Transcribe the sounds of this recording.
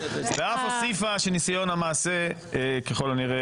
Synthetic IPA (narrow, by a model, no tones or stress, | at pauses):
veafosifaʃenisajo̞namaːse | keχo̞laniʁe